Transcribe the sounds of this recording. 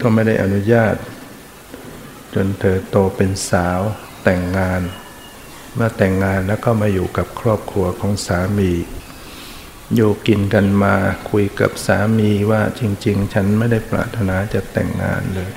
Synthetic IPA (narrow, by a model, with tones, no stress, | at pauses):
k̪ɔː˥˩ma˥˩jda˥˩jʔa˧nu˦˥jaː˥˩t̪̚ | t͡ɕo˧nt̪ʰɤː˨˦t̪oː˧pe˧nsaː˩˦w | t̪ɛ˨˩ŋːaː˧n | maː˥˧˩t̪ɛ˨˩ŋːaː˧nlɛː˦˥wkʰɔː˥˩wmaː˧juː˨˩ka˨˩p̚kʰɾɔː˥˩p̚kʰɾu˧ɐkʰɔː˩˦ŋsaː˨˩˦miː˧ | juː˧˩ki˧nka˧nmaː˧kʰu˧jka̰˨˩p̚saː˩˦miː˧waː˥˩t͡ɕi˧ŋt͡ɕi˧ŋt͡ɕʰa˦˥nma˥˩jda˥˩jpɾa̰ː˨˩t̪ʰːa˧naː˧t͡ɕa˨˩t̪ɛ̰˨˩ŋːa̰ː˧nlɤː˧j